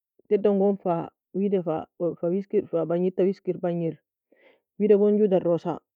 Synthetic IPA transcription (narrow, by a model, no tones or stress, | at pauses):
tɛdːɔŋɡɔnfa | widɛfa̰fawiskiɾfabaɲitawiskiɾbaɲiɾ | wiːdɛɡɔnd͡ʒudarːɔsa̰